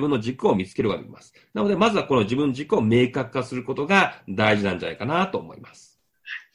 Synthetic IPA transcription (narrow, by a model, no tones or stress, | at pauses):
bɯ̟̃nːo̞ʑikɯ̟o̞mʲit͡sɨ̥ke̞ɾɯ̟βad̪ḛḭma̰sɨ̥nano̞d̪e̞mazɨβako̞no̞ʑibɯ̟̃nːo̞ʑikɯ̟o̞me̞ːkakɯ̥kːasɨɾɯ̟ko̞t̪o̞ɡad̪aiʑinãɲ̟d͡ʑa̰na̰ikanat̪o̞ːmo̞̰ḭmasɨ̥ | ha